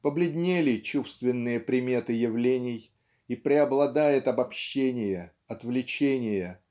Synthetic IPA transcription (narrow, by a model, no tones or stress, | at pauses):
pəblʲɪd̪ʲnʲelʲɪt͡ɕufst̪vʲɪnːɨjəpɾʲɪmʲe̞t̪ɨjɪvlʲenʲɪj | ipɾʲɪɐblˠɐd̪ajɪt̪ɐbɐpɕːenʲɪjə | ɐt̪vlʲɪt͡ɕenʲɪjə